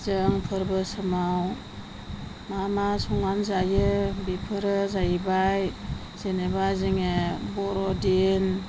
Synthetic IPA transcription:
zɯŋpʰɯɾbɯsɯmaw | mamasɔŋanzajɯbipʰɯɾɯzajbaj | zenebaziŋebɔɾɔden

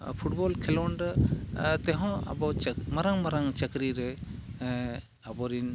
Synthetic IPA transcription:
pʰuʈbɔlkʰɛlɔɳɖ | t̪ɛɦɔ̃a̰bɔt͡ʃmaɾaŋmaɾaŋt͡ʃəɡɾiɾɛ | abɔɾin

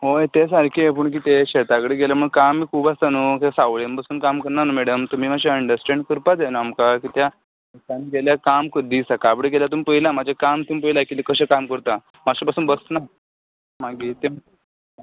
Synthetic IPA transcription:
ɦojt̪es̬aɾkʰeep̬əɳk̬iːt̪eɕet̪akɽeɡeləm̤əɡkamːiːkʰuːbast̪anukesaʋlenpasuːnkamkəɾnanəmɛɽəmt̪um̤iːmaɕ̬iəɳɖəɾsʈɛ̃ɳɖkəɾpad͡zenoamkakit̪ja | et̪aniɡeljakamkʰəd̪ʱiːsakabɽeɡelat̪umipəɦilamad͡ʑʱakamt̪umip̬əilakit̪ekəɕekamkəɾt̪a | maɕepasuːnbəsna | maɡiːt̪ema

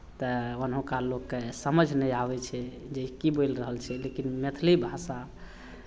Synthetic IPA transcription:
t̪əənɦõkalokːesəməd͡ʒʱnɛjabɛt͡ʃʰɛ | d͡ʒekibojlɾəɦəlt͡ʃʰɛlekinmet̪ʰlibʱasa

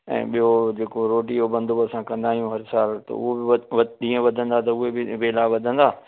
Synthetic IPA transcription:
ɛ̰̃ːɓijod͡ʑeːkoɾoːʈiobɐ̃nd̪ʊəsãkɐ̃nd̪aːijũɦɐɾsaːlt̪ɐ̰ʊ̰ɦobɪɗĩːə̃ʋɐd̪ʱə̃nd̪at̪ɐʊɦebɪʋeːlaʋɐd̪ʱə̃nd̪aː

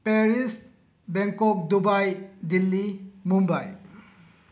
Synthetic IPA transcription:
peɾis | beŋkɔk̚dubajdilːimumbaj

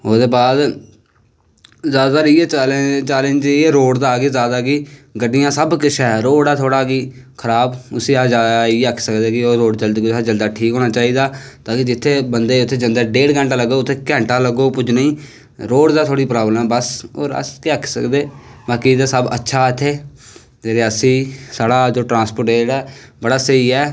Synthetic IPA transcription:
oːd̪eːbaːd̪ | zjaːd̪aːɾiːeːlt͡ʃɛːlənd͡ʒeːɾoːɽd̪aːɡeːzjaːd̪aːɡiːɡəɖɪjãːsəbkɪt͡ʃʰɛːɾoːɽaːt̪ʰoːɽaːɡiː | kʰəɾaːbʊsĩːaːd͡ʒaːd̪aiəkʰsəkd̪eːkɪoːɾoːɖd͡ʒəld̪kːd͡ʒəld̪aːʈʰiːkɦoːnaːt͡ʃaːiːd̪aːt̪aːkid͡ʒɪt̪ʰːeːbənd̪eːʊt̪ʰːeːd͡ʒənd̪əːɖeːɽkɛ̃ːɳʈãːləɡoːʊt̪ʰːeːkɛ̃ːɳʈaːləɡoːpʊd͡ʒnəĩː | ɾoːɽd̪aːt̪ʰoːɽiːpɾaːbləmɛːbəso̰ːɾə̰skiəkʰsə̰kd̪eːbaːkiːd̪aːsəbə̰tːʃʰaːɪt̪ʰːeː | d͡ʒeɾeːəsĩːsaːɽaːd͡ʒoːʈɾãːspəɾʈeːɽɛː | bəɽaːsəiːɛː

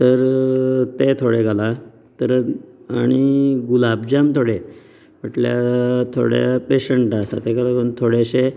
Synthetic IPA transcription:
t̪əɾt̪et̪ʰoɽeɡala | t̪əɾaɽ̃iɡulabd͡ʑamt̪ʰoɽe | m̤əʈljat̪ʰo̰ɽjapeɕəɳʈasa̰t̪eɡalakunt̪ʰoɽeɕe

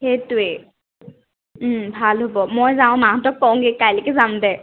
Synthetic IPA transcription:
hetʊe | bʱalɦobɔmojzaʊ̃maɔ̃tɔk̚paw̃ɡekajlekɛzamdɛ

